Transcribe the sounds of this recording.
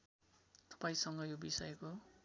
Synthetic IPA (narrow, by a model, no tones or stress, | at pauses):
t̪ʌ̥paĩsʌŋɡʌjobisʌjko